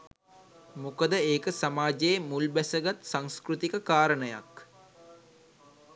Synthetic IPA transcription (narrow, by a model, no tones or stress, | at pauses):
mukəd̪əeːkəsamaːd͡ʒeemulbæsəɡat̪saŋskɾut̪ikəkaːɾənəja̰k